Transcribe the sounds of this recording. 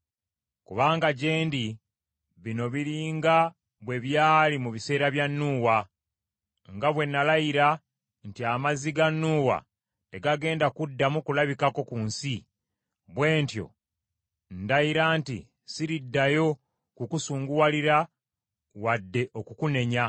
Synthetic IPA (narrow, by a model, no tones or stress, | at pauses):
kuβaːŋɡaɟe̞ːndi | βino̞βiɾiːŋɡa | βwe̞βjaːlimuβise̞ːɾaβjanːuːwa | ŋɡaβwe̞nːalaiɾa | ntiamaziɡanːuːwa̰ | te̞ɡaɡe̞ːndakudːamukulaβikako̞kunsi | βwe̞ːntjo̞̰ | ndajiɾaːntḭ | siɾidːajo̞ | kukusuːŋɡuwaliɾa | wadːe̞ʔo̞kukune̞ɲa